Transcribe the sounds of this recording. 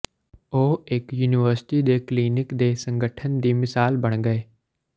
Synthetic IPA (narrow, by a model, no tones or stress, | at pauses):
oːekjuːnɪʋəɾsɪ̥ʈid̪ekliːnɪkd̪esə̃ŋɡʱəʈʰənd̪iːmɪsaːlbɐɽ̃ɡɐeː